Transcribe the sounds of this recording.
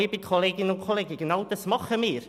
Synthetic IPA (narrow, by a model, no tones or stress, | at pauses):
ibiːkʰɔlˠɛɡɪnukʰɔlˠɛɡɪɡənawdəsmɔχəmiːr